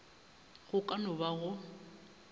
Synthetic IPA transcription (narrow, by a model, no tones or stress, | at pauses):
ɣʊkʼanʊbaɣʊ